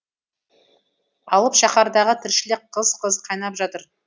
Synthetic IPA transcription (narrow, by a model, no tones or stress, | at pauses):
ɑlˠəpʃɑχɑɾd̪ɑʁət̪ʰɪɾʃɪlɪk̚qʰəzqʰəzqʰɑjnɑpʒɑt̪əɾ